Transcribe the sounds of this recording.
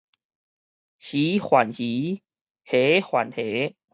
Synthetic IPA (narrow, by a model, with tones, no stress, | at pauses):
ɕi˨˦xwa˨˩nɕi˨˦ | he˨˦xwa˨nt̪ʰe˨˦